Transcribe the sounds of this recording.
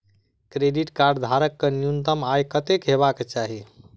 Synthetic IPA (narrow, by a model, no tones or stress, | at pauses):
kɾeɖiʈkaɾɖd̪ʱaɾəkːenjunt̪əmajkət̪ekɦeβaket͡ʃaɦi